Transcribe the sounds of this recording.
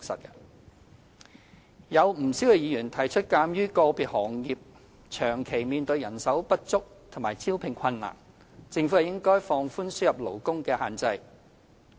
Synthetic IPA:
ksɐ̰˨t̚k | jɐ˨˧wm̩˨˩si˨˥wkɛ˧jiː˨˧jyː˨˩nt̪ʰɐ˨˩jt͡ʃʰɵ˥t̚kaː˧mjyː˥kɔː˧piː˨t̚hɔː˨˩ŋjiː˨p̚ | t͡ʃʰœː˨˩ŋkʰe˨˩jmiː˧nt̪ɵ˧ɥjɐ˨˩nsɐ˨˥wpɐ˥t̚t͡sʊ˥k̚t̪ʰʊ˨˩maː˨˩jt͡siː˥wpʰɪ˨˩ŋkʷʰɐ˧nːa̰ː˨˩ŋ | t͡sɪ˧ŋfu˨˥hɐ˨wjɪ˥ŋkɔː˥jfɔː˧ŋfuː˥nsyː˥jɐ˨p̚lo˨˩wkʊ˥ŋkɛː˧haː˨˩nt͡sɐ˧j

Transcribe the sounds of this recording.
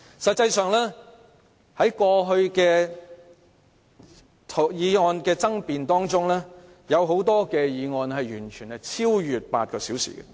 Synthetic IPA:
sɐ˨t̚t͡sɐ˧jsœː˨ŋlɛː˥ | hɐ˨˥jkɔː˧ɦɵ˧ɥkɛː˧ | tʰjiː˨˧ŋɔː˧nkɛː˧t͡sɐ˥ŋpiː˧nt̪ɔː˥ŋt͡sʊ˥ŋlɛː˥ | jɐ˨˧wɦo˨˥wt̪ɔː˥kɛː˧jiː˨˧ŋɔː˧nɦɐ˨jjyː˨˩nt͡ʃʰyː˨˩nhɛ˨t͡sʰiː˥wjyː˨˩t̚pa̰ː˧t̚kɔː˧si˨˥wsḭː˨˩ɡɐ̰˧

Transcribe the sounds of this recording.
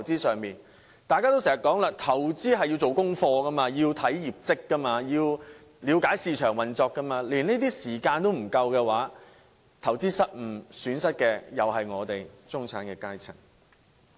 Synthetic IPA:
wt͡siː˥sœː˨ŋmiː˨n | t̪aː˨jkaː˥t̪o˥wsɛː˨˩ɐ˨tkɔː˨˥ŋlaː˧t̪ʰɐ˨˩wt͡siː˥ɦɐ˨ji˧wt͡so˨wkʊ˥ŋfɔː˧kɐ˥maː˧jiː˧wt̪ʰɐ˨˥jjiː˨p̚t͡sɪ˥kːɐ˥maː˧jiː˧w | liː˨˧wkaː˨˥jsiː˨˧t͡ʃʰœː˨˩ŋwɐ˨nt͡sɔː˧kːɐ˥maː˧liː˨˩ne˥t̪̬iː˥siː˨˩kaː˧nt̪o˥wm̩˨˩kɐ˧wkɛː˧waː˨˥ | t̪ʰɐ˨˩wt͡siː˥sɐ˥t̚m̩˨˩syː˨˥nsɐ˥t̚kɛː˧jɐ˨whɐ˨jŋɔː˨˧t̪e˨jt͡sʊ˥ŋt͡sʰaː˨˥nkɛː˧kaː˥jt͡sʰɪ̰˨˩ŋ

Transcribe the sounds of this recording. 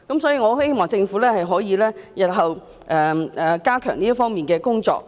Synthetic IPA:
kɐ˨˥msɔː˨˥jiː˧ŋɔː˨˧he˥jmɔː˨ŋt͡sɪ˧ŋfuː˨˥lɛː˥hɐ˨jɦɔː˨˥jiː˨˧lɛː˥jɐ˨t̚ɦɐ˨w | ʔɛː˨˧ɛ˨kaː˥kʰœ̰ː˨˩ŋniː˥ɐ˥fɔː˥ŋmiː˨nkɛː˧kʊ˥ŋt͡sɔ̰ː˧k̚

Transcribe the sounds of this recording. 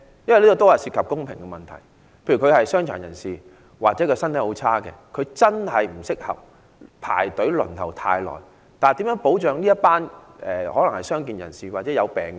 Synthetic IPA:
jɐ˥nwjliː˥kɔ˨˧t̪o˥whɐ˨jsiː˧t̚kʰɐ˨p̚kʊ˥ŋpʰɪ˨˩ŋkɛ˧mɐ˨nt̪ʰɐ̰˨˩j | pʰe˧jɥy˨˩kʰhɐ˨jsœː˥ŋt͡ʃʰœ̰ː˨˩njɐ̰˨˩nsiː˨ | waː˨t̚t͡sɛː˨˥kɔ˧sɐ˥nt̪ʰjho˨˧˥wt͡sʰaː˥kɛ̰ː˧kʰɵ˨˧ɥt͡sɐ˥nhɐ˨jm̩˨˩sɪ˥k̚hɐ̰˨p̚ | pʰa̰ː˨˩jt̪ɵ˨˥ɥlɵ̰˨˩nt̪ʰɐ˨˩wt̪ʰa̰ː˧jlɔ̰ː˨˩j | t̪aː˨n˨t̪iː˨˥mjœː˨˥ŋpo˨˥wt͡ʃœː˨˧ŋliː˥ɐ˥t̚paː˥nʔɛː˨hɔː˨˥lɐ˨˩ŋhɐ˨˩jsœː˥ŋk̬iː˨njɐ̰˨˩nsiː˨waː˨˩t͡sɛː˨˥jɐ˨˧wpɛː˨˩ŋ

